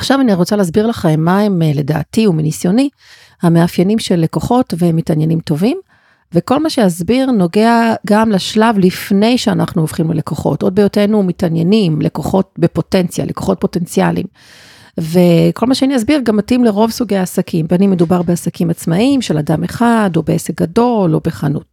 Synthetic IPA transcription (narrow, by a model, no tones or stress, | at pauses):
ḁχʃavaniʁot͡saleazbiʁlaχaemaemle̞da̰ːtiuminisjo̞ni | hame̞afjenimʃe̞lːe̞koχo̞tvemitanjenimto̞vim | veko̞lmaʃejazbiʁno̞ɡe̞aɡamlaʃlavlifne̞jʃeanaχnuofχimlḛle̞ko̞χo̞̰to̞d̚bejote̞numitanjenimlʔekoχo̞t̚be̞po̞tent͡sja̰lʔekoχo̞t̚po̞te̞nt͡sialḭm | ve̞kʰo̞lmaʃeaniazbiʁɡamːatimleʁo̞vsuɡejaːsakʰimbeanime̞dubaʁbeasakimat͡smaimʃeladameχadobeesek̚ɡado̞lobe̞χanṵt̚